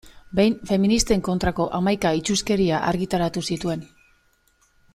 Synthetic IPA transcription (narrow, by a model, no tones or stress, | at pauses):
be̞jnfe̞minist̪e̞ŋko̞nt̪ɾako̞ʔamajkait͡ʃuske̞ɾiaʔaɾɣit̪aɾat̪usit̪ue̞n